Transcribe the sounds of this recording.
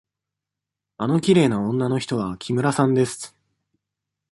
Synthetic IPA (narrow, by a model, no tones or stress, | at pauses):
ano̞kʲiɾe̞ːnaõ̞nːano̞çi̥t̪o̞βakʲʰimɯ̟ɾasãnd̪e̞sɨ̥